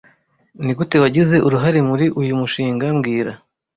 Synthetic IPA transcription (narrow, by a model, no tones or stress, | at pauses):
niɡutewaɟize̞ʔuɾuɦaɾemuɾiʔujumuʃiːŋɡamɡiːɾa